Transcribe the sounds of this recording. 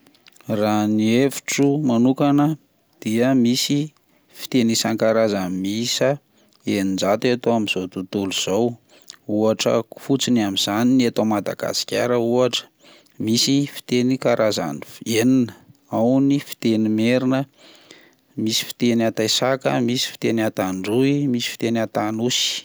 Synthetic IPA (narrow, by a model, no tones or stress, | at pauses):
raniefi̥ʈ͡ʂumanukanə | d̪̥iəmisi | fi̥t̪enisankaɾazamisə | enind͡ʒat̪at̪oamiz̥ot̪ut̪uluz̥ow | uaʈ͡ʂə̰u̥fut͡sinamiz̥aniniat̪omad̪a̰ɡa̰si̥kʲaɾəuaʈ͡ʂə̥ | misifi̥t̪enikaɾʔaza̰nifeninəawnifi̥t̪enimeɾinə | misi̥fi̥t̪enat̪ajsakəmisi̥fi̥t̪enat̪aɳɖ͡ʐuimisi̥fi̥t̪enat̪anusi̥